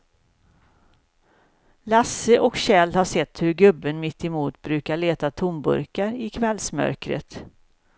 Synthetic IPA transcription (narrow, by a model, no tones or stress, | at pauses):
lasːəʔɔkɕɛːlhaʂɛt̪ːhɵɾɡɵbːənmɪt̪ːɪmuːt̪bɾʉ̟ːkaɭeːt̪at̪ʰʊmbɵ̰ɾkaɾɪkʰvɛlsmœ̰ɾkɾə̰t̪